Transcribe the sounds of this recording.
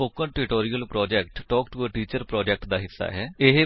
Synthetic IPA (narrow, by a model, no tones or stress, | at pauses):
oːkənʈɪʈoːɾiːəlpɾɔːd͡ʒɛkʈʈɔːkʈuəʈiːt͡ʃəɾpɾɔːd͡ʒɛk̚ʈd̪aːɦɪsːa̰ːɦɛːɪɦ